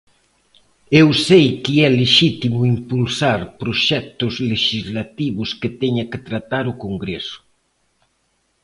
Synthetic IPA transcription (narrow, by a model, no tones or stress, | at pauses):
ewsejkiɛleʃit̪imʊimpulsaɾpɾoʃɛt̪ʊzleʃizlat̪iβʊsket̪ɛɲɐket̪ɾat̪aɾʊkoŋɡɾesʊ̥